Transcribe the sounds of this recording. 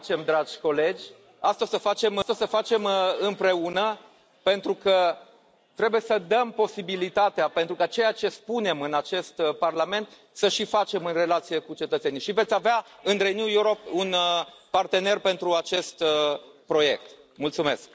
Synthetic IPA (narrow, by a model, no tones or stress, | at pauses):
t͡ʃe̞md̪ɾad͡ʒʲko̞le̞d͡ʒʲ | ast̪osəfat͡ʃe̞mt̪osəfat͡ʃe̞mɨmpɾe̞unə | pe̞nt̪ɾukə | t̪ɾebuje̞səd̪əmpo̞sibilit̪at̪eapent̪ɾukat͡ʃe̞jat͡ʃe̞spune̞mɨnat͡ʃe̞st̪parlame̞nt̪ | səʃifat͡ʃe̞mɨnre̞lat̪sije̞kut͡ʃe̞t̪ət̪se̞niʃivet̪sʲaveaɨnɾenjujuɾop̚unːart̪e̞ne̞rpe̞nt̪ɾuat͡ʃe̞st̪pɾo̞je̞̰k̚t̪ | mult̪sume̞̰sk